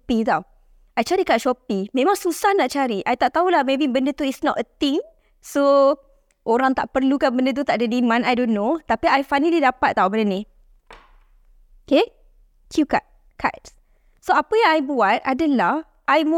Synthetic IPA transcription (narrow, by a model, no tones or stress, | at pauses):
pit̪aw | ʔajt͡ʃaɾikat̚ʃɔpimẽmãŋsusahnaʔt͡ʃaɾiʔajt̪aʔt̪aulahmebibəndət̪uitsnɔtət̪ĩŋ | so | ʔoɾaŋt̪a̰ʔpərlukanbəndət̪̬ut̪aʔdədimãnajdonːot̪apiajfajnəlidapat̪̚t̪ːawbəndəni | ke | kʰjuka̰t̚ | kʰa̰t̚ | soapəjãŋajbuat̪̚adəlah | ʔajm